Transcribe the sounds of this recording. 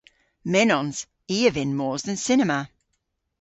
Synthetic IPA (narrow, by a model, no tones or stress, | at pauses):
mɛnɔ̃nz̥ | iːəvɪ̃nmɔːzðə̃nsɪnəmə